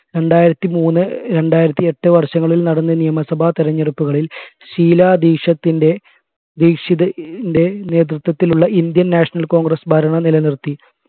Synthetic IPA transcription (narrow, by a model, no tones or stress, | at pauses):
ɾe̞ɳɖaːjiɾɐt̪ːimuːnːɨɾe̞ɳɖaːjiɾɐt̪ːie̞ʈːɨʋɐrɕɐŋːɐɭilnɐɽɐnːɨnijɐmɐsɐbʱat̪iɾɐɲːɐrupːuɣɐɭil | ɕiːlaːd̪iːkʂɐt̪ːinde̞ | d̪iːkʂiðɐnde̞ne̞ːt̪̬rut̪wɐt̪ːiluɭːɐʔind̪jɐnːaːʂɐnɐlko̞ːŋɡrɐsbʱɐɾɐɳɐnilɐnirt̪ːi